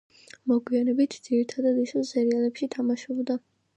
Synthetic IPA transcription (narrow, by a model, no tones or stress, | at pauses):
mɔɡwianɛbit̪ʰd̪z̥iɾit̪ʰad̪ad̪isɛzɛɾialɛpʃit̪ʰamaʃɔbd̪a